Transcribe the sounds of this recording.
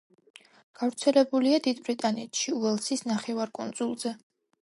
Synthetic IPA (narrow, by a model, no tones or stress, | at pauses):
ɡ̥avɾt̪sʰɛlɛbuliad̪id̪bɾit̪ʼanɛt̪ʼʃiuɛlˠsisnaχɛvaɾkʼund̪zulˠzɛ